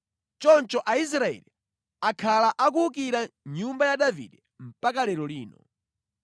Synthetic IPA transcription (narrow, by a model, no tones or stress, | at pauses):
t͡ʃɔnt͡ʃɔʔais̬ɾaɛ̰li | akʰalaʔak̬uk̬iɾaɲumbajaɗavḭdɛ | m̩pakalɛɾɔliːnɔ̰